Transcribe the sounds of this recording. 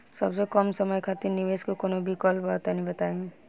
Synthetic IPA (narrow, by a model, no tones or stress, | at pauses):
sɐbsekəmsəməjkʰat̪ɪɾnɪʋeːskokoːnobʱikɔlbaːt̪anĩbɐt̪aẽ